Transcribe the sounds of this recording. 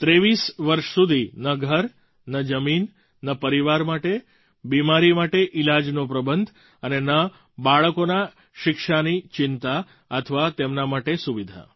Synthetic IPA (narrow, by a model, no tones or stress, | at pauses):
t̪ɾeʋisʋəɾʃsud̪ʱinəɡʱəɾ | nəd͡ʒəmin | nəpəɾiʋaɾmaʈe | bimaɾimaʈeʔɪlad͡ʒnopɾəbənd̪ʱ | ənenə | baɭəkona | ʃɪkʃanit͡ʃɪnt̪a | ət̪ʰəʋat̪emnamaʈesuʋid̪ʱa̰